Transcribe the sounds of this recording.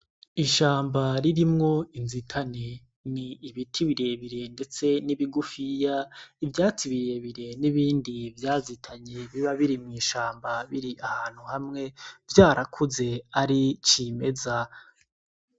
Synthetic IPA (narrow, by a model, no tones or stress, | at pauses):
iʃaːmbaɾiɾimŋo̞inzitʰane | niːβitʰiβiɾeβiɾe̞nde̞t͡se̞niβiɡufijaivjaːt͡siβiɾje̞βiɾe̞niβiːndivjaːzitʰaɲe̞βiβaβiɾimŋiːʃaːmbaβiɾiʔahaːn̥huhamŋe̞vjaːɾʔakʰuze̞aɾit͡ʃime̞za